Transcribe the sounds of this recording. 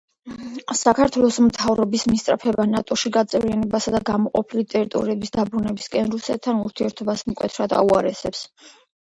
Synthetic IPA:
sakʰaɾt̪ʰwɛlˠɔsmt̪ʰavɾɔbismist̪sʼɾapʰɛbanat̪ʼɔʃiɡat̪sʼɛvɾianɛbasad̪aɡamɔqʼɔpʰilit̪ʼɛɾit̪ʼɔ̰ɾiɛbisd̪abɾunɛbiskʼɛnɾusɛt̪̚ʰːanuɾt̪ʰiɛɾt̪ʰɔbasmkʼwɛ̰t̪ʰɾad̪a̰uaɾɛsɛps

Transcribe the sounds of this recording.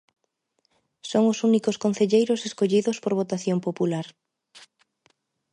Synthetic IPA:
soŋʊsunikoskon̟θeʎejɾʊseskoʎiðospoɾβ̞ot̪aθjompopulaɾ

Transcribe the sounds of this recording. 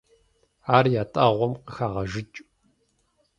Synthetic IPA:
aːrjaːtʼɐʁʷɔmqəxaːʁɐʒɪt͡ʃʼ

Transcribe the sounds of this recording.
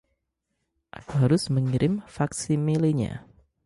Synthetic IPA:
ʔakuɦaɾʊsməŋiɾʔɪmfaksimiliɲa̰

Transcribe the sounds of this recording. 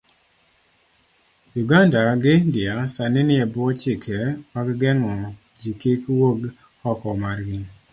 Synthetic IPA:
juɡandaɡɪndɪasanɪnɪɛbʊɔt͡ʃɪkʰɛpaɡɡɛŋɔ | d͡ʒikikwoɡ | hɔkɔmaɾɡɪ

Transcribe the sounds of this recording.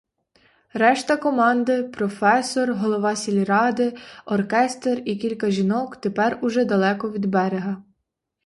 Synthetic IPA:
ɾɛʃt̪ɐkɔmɑnd̪ɪpɾɔfɛsɔrɦɔlˠɔʋɑsʲilʲiɾɑd̪ɪɔrkɛst̪erikʲilʲkɐʒʲinɔkt̪epɛrʊʒɛd̪ɐlˠɛkɔʋʲid̪bɛɾeɦɐ

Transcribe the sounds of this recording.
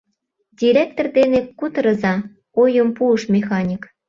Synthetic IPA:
dʲiɾʲek̚t̪ord̪enekːut̪ɤɾɤ̆zɑ | ojə̆mpuəʃmʲexɑnʲik

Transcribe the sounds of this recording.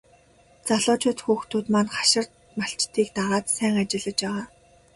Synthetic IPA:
t͡saɮʊːt͡ɕʊːt̪xuːxt̪ʰuːt̪manχḁʃɪ̆r | maɬt͡ɕt̪ʰiːk̚t̪aʁaːt̪sæːŋat͡ɕɪ̆ɮə̆t͡ɕpæːʁaː

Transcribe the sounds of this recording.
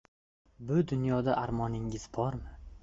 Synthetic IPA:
bʊd̪ʊnjɒd̪aʔaɾmɒnɪŋɪz̥bɒɾmɪ

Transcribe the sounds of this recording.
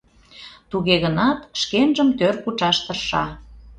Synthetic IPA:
t̪uɣeɣənɑt̪ʃkenʒəmt̪ørkut͡ʃɑʃt̪ərʃɑ

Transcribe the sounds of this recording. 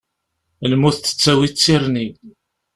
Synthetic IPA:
lmuθtːə̥t͡sːæwit͡sːiɾni

